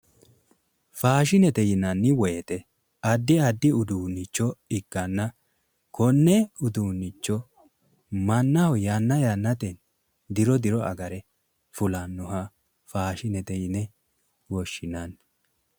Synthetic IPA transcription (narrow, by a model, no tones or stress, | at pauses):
faːʃɪnɛt̪ɛjɪnɐnːɪwɔjɛt̪ɛ | ɐd̪ːɪɐd̪ːɪʊd̪uːnːɪt͡ʃːɔɪɡ̥ːɐnːɐ | kʰɔnːɛʊd̪uːnːɪt͡ʃːɔ | mɐnːɐhɔjanːɐjanːɐt̪ɛn | d̪ɪɾɔd̪ɪɾɔʔɐ̰ɡɐɾɛ | fʊlɐnːʊhɐ | faːʃɪnɛt̪ɛjɪnɛ | wɔʃːɪnan